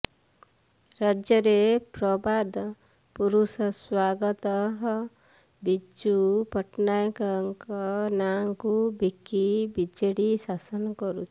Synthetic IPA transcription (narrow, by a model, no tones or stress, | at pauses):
ɾad͡ʒjɔɾepɾɔbad̪ | puɾusɔswaɡɔt̪ɔɦɔ | bid͡ʒupɔʈnajkaŋkɔnaŋkubikːibid͡ʒeɽisasɔnɔkɔɾut͡ʃʰi̥